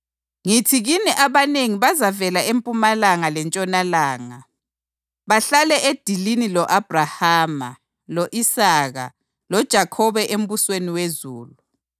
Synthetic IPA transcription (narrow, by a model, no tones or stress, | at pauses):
ŋitʰiɣiniʔaβaneŋiβazavɛlaempʼumalaŋalɛnt͡ʃʼɔnalaːŋa | βaɬalɛʔed̥ʱilinilɔʔab̥ʱrahaːma̰ | lɔʔisaɣa̰ | lɔd̥ʒ̥ʱakʰɔβɛʔem̩βusweniwezuːlu